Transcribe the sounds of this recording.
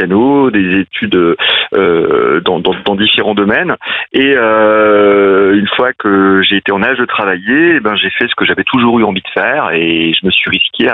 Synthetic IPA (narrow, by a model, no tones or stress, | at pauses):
anod̪ezet̪ʰyd̪øød̪ɑ̃d̪ɑ̃d̪ɑ̃d̪ifeʁɑ̃d̪ɔmɛneø | ynfwakʰəʒeːt̪eɑ̃naʒd̪ət̪χavajeːbɛ̃ʒefɛsə̥kəʒavɛt̪ʰuʒuʁyɑ̃vid̪əfɛʁeʒəməsɥiʁiskʲʰea